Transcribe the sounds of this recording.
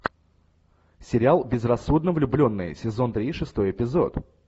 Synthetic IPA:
sʲɪɾʲɪalˠbʲɪzrɐsːud̪nəvlʲʊblʲo̞nːɨ̰jsʲɪzo̞nt̪ɾʲiʂɨst̪o̞jɪpʲɪzo̰t̪

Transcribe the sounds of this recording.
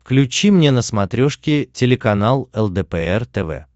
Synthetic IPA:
fklʲʉt͡ɕimnʲenəsmɐt̪ɾʲoʂkʲɪtʲɪlʲɪkɐnalˠɛlˠd̪ɛpɛɛrt̪ɛvɛ̰

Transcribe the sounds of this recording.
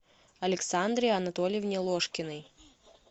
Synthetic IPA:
ɐlʲɪksand̪ɾʲɪjɐnɐt̪olʲjɪvnʲɛlˠoʂkʲɪnɨj

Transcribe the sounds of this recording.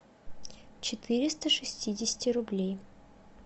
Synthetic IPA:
t͡ɕɪt̪ɨɾʲɪst̪əʂɨsʲtʲidʲɪsʲɪ̥tʲɪɾʊblʲej

